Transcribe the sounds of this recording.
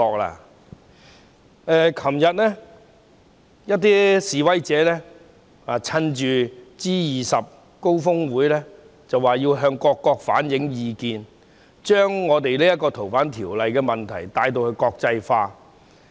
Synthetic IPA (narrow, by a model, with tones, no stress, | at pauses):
ɔː˨k̚la̰ː˧ | ɛː˨˧kʰɐ˨˩mjɐ˨t̚lɛ˥ | jɐ˥t̚t̪iː˥siː˨wɐ˥jt͡sɛː˨˥lɛ˥ | a˨˧t͡sʰɐ˥nt͡ʃyː˨t͡siː˥jiː˨sɐ˨p̚ | ko˥wfʊ˥ŋwuː˨˥jlɛː˥ | t͡sɐ˨waː˨˩jiː˧wɦœː˧ŋkɔː˧kːɔː˧k̚fa̰ː˨˥njɪ˨˥ŋjiː˨˧kiː˨˧n | t͡ʃœː˥ŋːɔː˨˧t̪e˨jliː˥jɐ˥t̚kɔː˧t̪ʰo˨˩wfaː˨˥nt̪ʰiː˨˩wlɐ˨jkɛː˧mɐ˨nt̪ʰɐ̰˨˩jt̪aː˧jt̪̬o˧wkɵ˧ɥkɔː˧k̚t͡sɐ˧jfaː˧